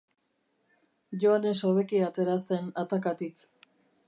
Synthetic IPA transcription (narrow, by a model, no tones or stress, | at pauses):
ʝo̞ane̞so̞βe̞kiat̪e̞ɾase̞nat̪akat̪ik